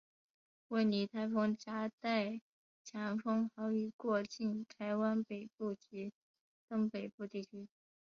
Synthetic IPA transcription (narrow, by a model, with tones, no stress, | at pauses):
we˥˩ɪni˧˥t̪ʰa˧˥ɪfɤ˥ŋt͡ɕja˥t̪a˥˩ɪ | t͡ɕʰja˧˥ŋfɤ˥ŋxɑ˧˥ʊy˨˩kwɔ˥˧t͡ɕi˥˩nt̪ʰa˧˥ɪwa˥npe˨˩ɪpu˥˩t͡ɕi˧˥ | t̪ɤ˥ŋpe˨˩ɪpu˥˧t̪i˥˩t͡ɕʰy˥